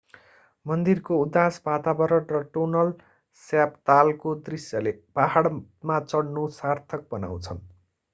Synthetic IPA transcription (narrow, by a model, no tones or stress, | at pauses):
mʌnd̪irkoud̪asbat̪abʌɾʌʈrʌʈonʌl | sjapt̪alkod̪risjʌleb̥aɦaɽmat͡sʌɽnusart̪ʰʌk̚bʌna̰w̃t͡sʰʌn